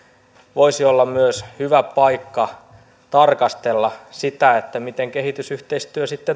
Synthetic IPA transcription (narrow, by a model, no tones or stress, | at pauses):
ʋoisiolːɑmmyøshyʋæpɑikːɑ | t̪ɑrkɑst̪elːɑsit̪æet̪ːæmit̪eŋkehit̪ysyht̪eist̪yøsit̪ːe